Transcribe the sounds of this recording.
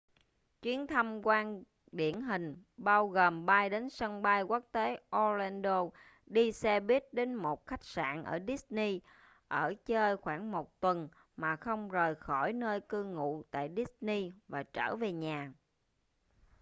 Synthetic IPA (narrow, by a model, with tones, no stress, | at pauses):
t͡ɕwi˨˦ənt̪ʰə˧mkwaː˧n | ɗḭ˧˩˨ənɦï˨˩ŋ̟ɓaː˧wɣoː˨˩mɓaː˧jɗe˨˦nsə˧ŋɓa˧jku˦˥k̚t̪e˨˦ʔo˧lɛ˧nɗo˧ | ɗi˧sɛ˧ɓi˦˥ət̚ɗe˨˦nmo˨˩t̚xa˦˥jk̚sa̰ː˧˨nʔə̰ː˧˩ɗi˦˥s̚ni˧ | ʔəː˧˩t͡ɕəː˧jxwaː˧˩ŋmo˨˩t̚t̪wə˨˩n | maː˨˩xə˧wŋ͡mzəː˨˩jxɔ˧˩jnəː˧jkɨ˧ŋṵ˧˨t̪a̰ː˧˨jɗi˦˥s̚ni˧vaː˨˩t͡ɕəː˧˩ve˨˩ɲaː˨˩